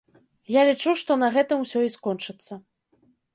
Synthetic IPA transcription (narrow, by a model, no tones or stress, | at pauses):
jalʲit͡ʂuʂt̪ɔnɐɣɛt̪ɨmwsʲɔiskɔnt͡ʂɨt̪sːɐ